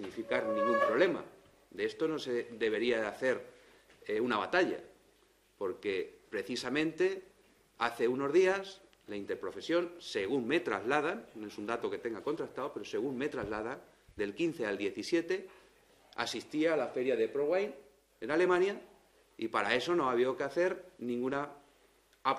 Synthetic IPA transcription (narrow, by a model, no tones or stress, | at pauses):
iɣnifikaɾnĩŋɡumpɾole̞ma̰ | d̪eest̪ono̞seðe̞β̞e̞ɾiaaθe̞ɾ | eunaβ̞at̪aʎa̰ | po̞ɾke̞pɾe̞θisamẽnt̪e̞ | aθe̞uno̞zðias | laint̪e̞ɾpɾo̞fe̞sjo̞nse̞ɣuŋme̞t̪ɾazlað̞annoesund̪at̪o̞ke̞t̪e̞ŋɡako̞nt̪ɾakt̪aope̞ɾo̞se̞ɣ̞unme̞t̪ɾazlað̞an | d̪e̞lkinθe̞ald̪je̞θisje̞t̪e̞ | a̰sist̪iaːlafe̞ɾjaðe̞pɾoɣwajn | e̞nale̞mãnja | ipaɾae̞so̞no̞aβ̞iokeaθe̞ɾnĩŋɡuna | a